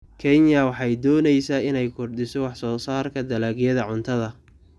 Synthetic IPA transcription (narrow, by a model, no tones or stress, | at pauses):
kʰɛnjɐwɑħɑjd̪ɔːnɛjsaːɪnɛjkʰʊrd̪ɪsɔwɑħsɔːsaːrkʰɐd̪ɐlaːɡjɐðɐʕʊnt̪ʰɐðɐ